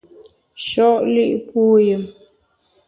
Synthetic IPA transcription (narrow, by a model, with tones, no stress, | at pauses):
ʃɔ˦˨ʔli˦ʔpu˦jə˨m